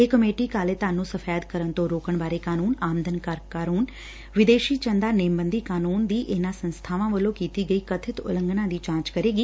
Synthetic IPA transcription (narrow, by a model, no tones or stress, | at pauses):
eːkəmeːʈiːkaːleːt̪aːnũːsəfʰɛːjd̪kəɾənt̪õːɾoːkəɳbaːɾeːkaːnuːnaːmd̪ənkəɾkaːɾuːn | ʋɪd̪eːʃiːt͡ʃənd̪aːneːmbənd̪iːkaːnuːnd̪iːʔɪnãːsənst̪ʰaːʋãːʋəlõːkiːt̪iːɡəiːkət̪ʰɪt̪ʊ̰lə̃ŋɡnãːd̪iːt͡ʃãːt͡ʃkəɾeːɡiː